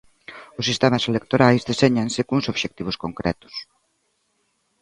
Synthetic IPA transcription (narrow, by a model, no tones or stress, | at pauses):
ʊsːist̪ɛmaselek̚t̪oɾajzðeseɲansɪkuŋsoβʃek̚t̪iβ̞ʊskoŋkɾɛ̰t̪ʊ̥s